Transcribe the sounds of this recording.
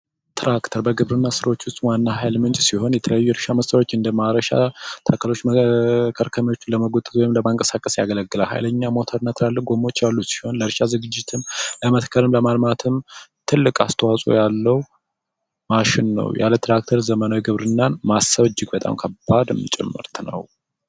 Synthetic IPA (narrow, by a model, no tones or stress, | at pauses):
t̪ʰɾʔakt̪ʰəɾbəɡɨβɾɨnːasɨɾo̞t͡ʃːwʊst̪ʼwanːaɦajlmɨnt͡ʃʼsiho̞njɛt̪ʰələjːuːjɛɾʃaməst̪ʼəɾwo̞t͡ʃːɨnd̪əmaɾəʃa̰t̪ʰakʰːəlo̞t͡ʃːməkʰəɾkʰəmiwo̞t͡ʃːləməɡot̪ʼɨt̪wɔjɪmləmaŋkʼəsakʼəsjaɡələɡːɨlalha̰jləɲːamo̞t̪ʰəɾnat̪ʰɨɾalːəɡo̞mo̞t͡ʃːjalːusi̥ho̞nləɾʃazɨɡɨd͡ʒːɪt̪ʰɨmləmət̪kʰəlɨmləmalmat̪ʰɨmt̪ʰɨlːɨkʼast̪ʰəwasʼo̰jalːəwu | maʃɪnːə̰wjʔa̰lət̪ʰɾak̚t̪ʰəɾzəmənawiɡɨβɾɨnːanmasəβd͡ʒːɪɡbət̪ʼa̰mkʰəbːad̪ɨmt͡ʃʼɛ̰mːɨ̰ɾt̪ʰnə̰w